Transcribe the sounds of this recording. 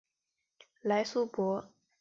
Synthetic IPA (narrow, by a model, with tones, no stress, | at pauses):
la˧˥ɪsu˥pwɔ˧˥